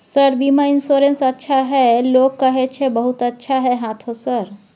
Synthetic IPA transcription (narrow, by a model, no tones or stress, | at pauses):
səɾbimainsoɾensətːʃʰaɦɛlokːəɦɛt͡ʃʰɛbəɦut̪ətːʃʰaɦɛɦãt̪ʰõsəɾ